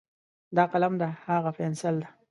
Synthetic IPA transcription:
d̪ɑqalamd̪ahaɣafɛnsɪld̪a

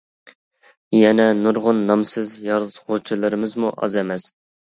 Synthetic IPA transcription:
jɛnɛnuɾʁʊnːɑmsɨzjɑɾzʁot͡ʃʰilˠɨɾɨmɨzmuʔɑ̰zɛmɛs

